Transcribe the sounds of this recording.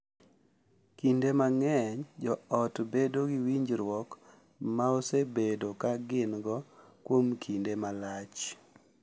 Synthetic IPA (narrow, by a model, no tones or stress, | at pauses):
kindemaŋɛɲd͡ʒɔɔtbedoɡiwiɲd͡ʒɾwɔk | maosebedokaɡɪnɡɔkwomkʰindemalat͡ʃ